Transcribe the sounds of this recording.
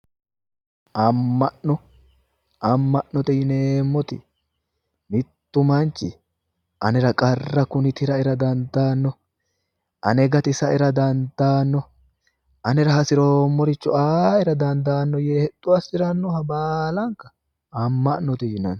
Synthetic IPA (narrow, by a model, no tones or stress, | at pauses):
ʔɐmːɐʔɔ | ʔɐmːɐʔnːɔt̪ɛjɪneːmːɔt̪ɪ̰ | mɪt̪ːʊmɐnt͡ʃːɪ̰ | ʔɐnɛɾɐkʼɐrːɐkʊnɪt̪ɪɾɐɪɾɐd̪ɐnd̪aːnːɔ | ʔɐnɛɡɐt̪ɪsɐɪɾɐd̪ɐnd̪aːnːɔ | ʔɐnɛɾɐhɐsɪɾoːmːɔɾɪt͡ʃːɔaːɪɾɐd̪ɐnd̪aːnːɔjeːhɛd̪̥ːʊɐsɪɾɐnːɔhɐbaːlɐŋkɐ̥ | ɐmːɐnːɔt̪ɛjɪnɐn